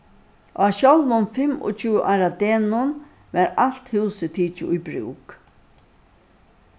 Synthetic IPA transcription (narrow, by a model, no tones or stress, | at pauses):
ʔaɕɔlmʊnfɪmɔ̰t͡ʃʰʉːʔaɾad̪eːnʊn | ʋɛɾal̥t̪hɪwsət̪ʰiːt͡ʃɪʊjbɾṵːk